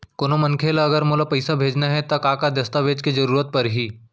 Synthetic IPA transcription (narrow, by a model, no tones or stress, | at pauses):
koːnomɐnkʰeːlaɐɡəɾmoːlapɐɪsabʱeːd͡ʒnaɦɛt̪ɐkaːkad̪ɐst̪aʋeːd͡ʒked͡ʒɐɾuːɾət̪̚pɐɾɦiː